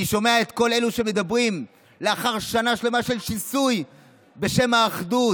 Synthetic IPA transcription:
iʃo̞me̞ae̞t̪ko̞le̞luʃe̞me̞d̪abʁim | leaχaʁʃanaʃle̞maʃelʃisuj | be̞ʃe̞maːχdu

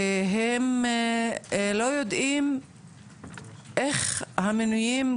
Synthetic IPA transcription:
ɦem | lo̞jod̪im | ʔeχhamenujim

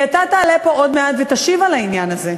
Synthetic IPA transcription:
at̪at̪aːlepo̞ʔod̪meat̪vet̪aʃivalainjanaze

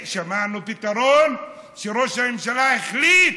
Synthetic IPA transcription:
ʃamanupit̪aɾon | ʃeɾoʃamemʃalaeχlit̪

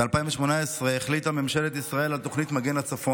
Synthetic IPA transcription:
ealpaimveʃmo̞naesʁeeχlitamemʃe̞let̪isʁae̞lalt̪o̞χnit̪maɡe̞nat͡safo̞

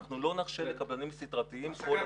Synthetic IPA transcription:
χnulo̞naχʃelekablanimsit̪ʁat̪iimko̞l

